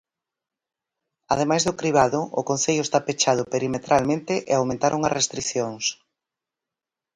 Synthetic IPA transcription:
að̞emajzðʊkɾiβ̞aðʊʔʊ̰konθeʎʊest̪apet͡ʃað̞ʊpeɾimet̪ɾalmẽnt̪ɪʔḛawmẽnt̪aɾʔoŋɐ̰rest̪ɾiθjoŋs

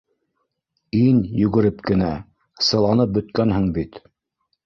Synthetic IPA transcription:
injɵ̆ɡɘ̆ɾɘpkɘ̆næ | sɤ̆lˠɑnɤp̚bɵ̆t̪kænɦɘɴbit̪

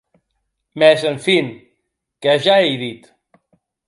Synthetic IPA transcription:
mɛzəɱfin | kəʒaejðit̪

